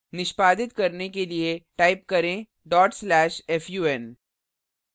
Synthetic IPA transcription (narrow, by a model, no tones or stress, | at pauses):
nɪʃpaːd̪ɪt̪kɐɾnekelieʈaːɪp̚kɐɾẽ | ɖɔːʈslɛːʃɛːfjuːɛn